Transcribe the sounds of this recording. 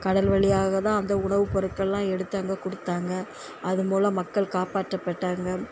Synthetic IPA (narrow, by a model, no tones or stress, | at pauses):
kɐɽɐlʋɐɭɪjaːɣɐt̪ãːɐnd̪ɐʊɳɐʋɯpɔɾɯkːɐlːãːɛɽɯt̪ːaːŋɡɐkɔɽɯt̪ːaːŋɡɐ | ɐðɯmoːlɐ̃mɐkːɐɭkaːpaːʈːɐpːɐʈːaːŋɡɐ